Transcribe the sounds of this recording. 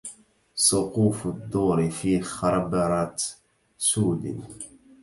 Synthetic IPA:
sˤʊquːfʊd̪ːuːɾɪfiːxɑɾˤɑbɑɾˤɑt̪ | suːd̪ɪ̰n

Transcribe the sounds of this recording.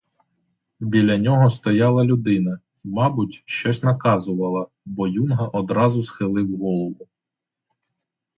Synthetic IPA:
bʲilʲɐnʲɔɦɔst̪ɔjɑlˠɐlʲʊd̪ɪnɐ | imɑbʊtʲʃt͡ʃɔsʲnɐkɑzʊʋɐlˠɐ | bɔjunɦɐʔɔd̪ɾɑzʊsxɪlˠɪwɦɔlˠɔʋʊ

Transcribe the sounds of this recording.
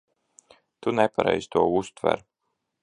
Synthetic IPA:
t̪unɛpaɾɛjz̥t̪uɔust̪væ̰ɾ

